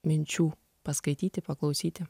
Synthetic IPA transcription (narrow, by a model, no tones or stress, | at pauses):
menʲt͡ʃu | paskɾit̪it̪epaklˠowsit̪e